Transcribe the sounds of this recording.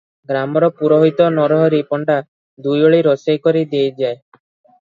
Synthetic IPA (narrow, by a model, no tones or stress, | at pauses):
ɡɾamɔɾɔpuɾɔɦit̪ɔnɔɾɔɦɔɾipɔɳɖa | d̪ujoɭiɾɔsejkɔɾid̪ejd͡ʒae